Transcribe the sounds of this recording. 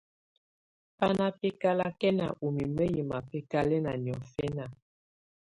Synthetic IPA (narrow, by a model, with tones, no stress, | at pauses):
pa˦na˦pe˦ka˦la˦kɛ˦na̰˨ʔu˨mi˨mə˦ji˨ma˨pɛ˦ka˦lɛ˦na˨njɔ˨fɛ˦na˨